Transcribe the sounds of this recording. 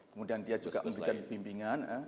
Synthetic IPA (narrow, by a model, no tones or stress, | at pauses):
kəmudiandiad͡ʒuɡa̰ʔməmbəɾiikanpimpiŋanə